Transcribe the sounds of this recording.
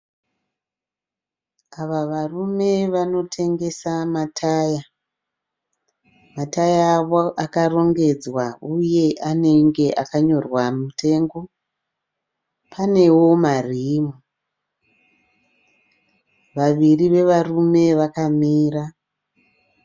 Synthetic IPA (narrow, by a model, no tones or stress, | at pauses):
aʋaʋarume̞ʋano̞tʰe̞ŋɡe̞samatʰaːja | matajaʋoʔakaro̞ŋɡe̞d͡zwauje̞ʔane̞ŋɡe̞ʔakaɲo̞rwamutʰe̞ŋɡo̞ | pʰane̞wo̞marimu | ʋaʋiriʋe̞ʋarume̞ʋakamiːra